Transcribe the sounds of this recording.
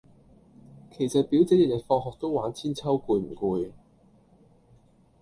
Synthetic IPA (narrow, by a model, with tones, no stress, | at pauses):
kʰe˨˩jsɐ˨t̚piː˨˥wt͡sɛː˨˥jɐ˨˩jɐ˨tfɔː˧ŋɦɔː˨k̚t̪o˥waː˨˥nt͡sʰiː˥nt͡sʰɐ˥wkuː˧jm̩˨˩kuː˧j